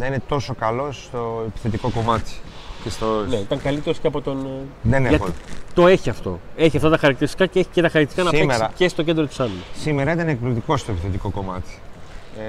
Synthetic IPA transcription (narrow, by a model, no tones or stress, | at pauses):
nɐine̞t̪o̞so̞kɐlo̞st̪oepi̥θe̞t̪iko̞ko̞mɐt̪i̥cesoneit̪ɐŋkɐlit̪eɾosceɐpot̪o̞nðeneɐot̪o̞e̞çiɐft̪o̞̰e̞çiɐft̪ɐt̪ɐxɐɾɐk̚t̪iɾist̪ikɐceeçi̥cet̪ɐxɐɾɐktisi̥kɐnɐsiemeɐce̞st̪oce̞nd̪ɾot̪i̥sɐlussimeɾɐit̪ɐnek̚plot̪iko̞st̪oepiθe̞t̪iko̞ko̞mɐt̪i̥